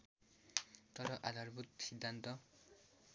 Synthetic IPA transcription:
t̪ɔɾɔʔad̪ʱaɾbut̪̚sid̪ʱːant̪ɔ

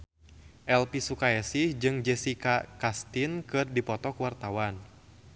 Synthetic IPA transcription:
ʔɛlpisukaɛsihd͡ʒɨŋd͡ʒɛsikakast̪inkɨrdipɔt̪ɔkuwart̪awan

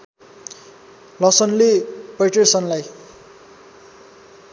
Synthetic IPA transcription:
lʌsʌnlepʌjʈersʌnlaj

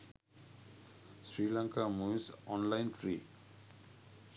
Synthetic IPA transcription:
sɾiːlaŋkamusɔnlaɪntʰɾi

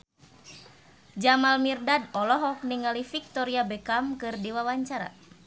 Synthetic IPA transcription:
d͡ʒamalmirdadɔlɔɦɔk̚niŋalifik̚t̪ɔɾiabɛkamkɨrdiwawaɲt͡ʃaɾa̰

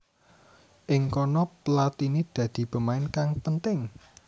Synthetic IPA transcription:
ʔɪŋkɔnɔplat̪inid̪̥ä̤d̪̥i̤pə̤maɪnkaŋpənt̪ɪŋ

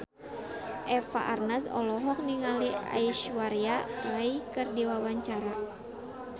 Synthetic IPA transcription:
ʔɛfa̰ʔarnasɔ̰lɔɦɔk̚niŋalia̰iʃwaɾjaraikɨrdiwawaɲt͡ʃaɾa

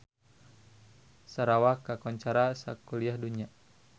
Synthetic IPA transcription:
saɾawakakɔɲt͡ʃaɾasa̰kuliahduɲa

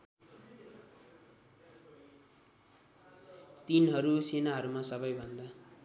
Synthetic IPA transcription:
t̪inɦʌɾusenaɦʌɾumasʌbʌjbʱʌnd̪a

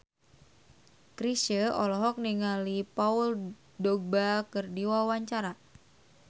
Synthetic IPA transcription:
kɾisʃəɔlɔɦɔk̚niŋalipaul | dɔɡ̚bakɨrdiwawaɲt͡ʃaɾa

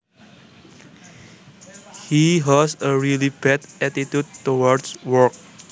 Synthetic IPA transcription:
hiɦɔsəɹilibɛdɛtit̪jud̚tːowɔɹdswɔɹk̚

